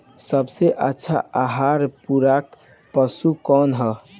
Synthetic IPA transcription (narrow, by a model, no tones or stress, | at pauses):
səbseʔətːʃʰa̰ʔaɦaɾpuɾak | pəsukɔnɦə